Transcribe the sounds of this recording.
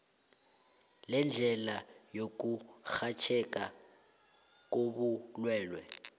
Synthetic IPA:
lɛnd͡ɮʱɛlajok̬ʼuxat͡ʃʰɛkʼa | k̬ʼoɓulwɛːlwɛ̰

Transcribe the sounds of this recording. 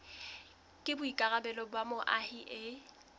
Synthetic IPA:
kʼɪbʊikʼaɣabɛlɔbwamʊʔahiʔɪ

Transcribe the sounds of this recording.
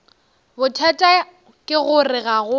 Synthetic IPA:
bʊtʰatʼa | kʼɪɣʊrɪɣaɣʊ

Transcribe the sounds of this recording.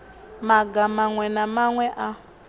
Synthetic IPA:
maɡamaŋwɛnamaŋwɛʔa

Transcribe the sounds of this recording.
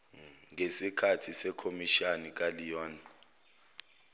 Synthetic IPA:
ŋesikʰatʰisɛkʰomiʃanik̬ʼalijɔːna

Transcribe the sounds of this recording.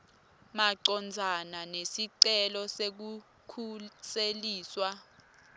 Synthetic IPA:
maǀɔnd͡zʱananesiǀɛlɔsek̬u | kʰuseliːswa

